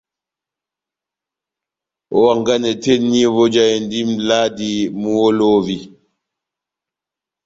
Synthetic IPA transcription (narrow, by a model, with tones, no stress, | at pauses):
ɔ˨wa˨ŋɡa˦nɛ˨te˦nːi˦vɔ˦d͡ʒa˨jɛ˨ndi˦mlaː˦di˨mu˦wɔ˦lo˦vi˨